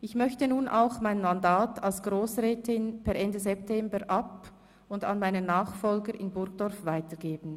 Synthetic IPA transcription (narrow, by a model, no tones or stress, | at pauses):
ʔɪçmœçtənuːnʔa̰ʊxmaɪnmandaːtalsɡ̥ʁoːsʁɛːtɪnpʰɛɐɾɛndəzɛptʰɛmbəɾʔap | ʊnda̰nmaɪnənaːχfɔlɡəɾʔɪnbʊɾɡd̥ɔɐfvaɪtəɡeːbn̩